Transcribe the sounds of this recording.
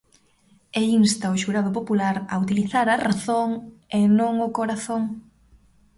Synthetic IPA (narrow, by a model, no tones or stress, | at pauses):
einst̪ɐʊʃuɾað̞opopulaɾɐ̰ut̪iliθaɾɐraθoŋenõŋʊkoɾaθoŋ